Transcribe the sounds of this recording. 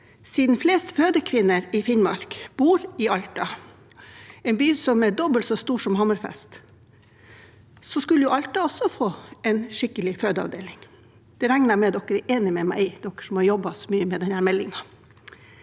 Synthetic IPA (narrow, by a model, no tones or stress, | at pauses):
siːd̪n̩fleːst̪føːd̪əkʰʋɪnːəɾɪfɪnmɑ̰ɾkb̥uːɾɪɑʎt̪ɑ | ɛnbyːsɔmɛɖɔbəlt̪sɔst̪uːʂɔmhɑməɾfɛ̰st̪ | sɔskʉləjʊʔɑlt̪ɑɔsːɔfoːʔɛnʂɪkːəlɪføːd̪əɑ̰ʋd̪ḛːlɪŋ | d̪̥ɛɾæŋnəɾmɛd̪ɔkːəɾɛʔeːnɪmɛmæ̰ɪɪd̪ɔkːə̥ʂɔmhɑɾjɔbɑsɔmyːəmɛd̪ɛnhæːɾmɛlːɪŋɑ